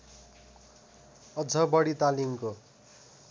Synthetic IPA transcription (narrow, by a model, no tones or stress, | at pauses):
ʌd͡zʱʌbʌɽit̪alimko